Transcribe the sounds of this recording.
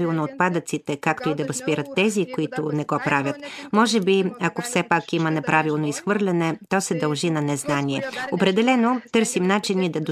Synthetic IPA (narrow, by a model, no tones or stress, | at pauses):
vilˠnoːt̪̚pad̪ət̪sit̪ɛkakt̪oid̪ɐvɐspiɾət̪ːɛzikoit̪ʊnɛɡɔpɾavʲjət̪mɔʒɛbiɐkofsɛpakimənɛpɾavilˠnoisxvɤɾlʲɛnɛt̪ɔsɛd̪ɐlˠʒinɐnɛznaniɛopɾɛd̪ɛlɛnot̪ɤɾsimnat͡ʃinid̪ɐd̪o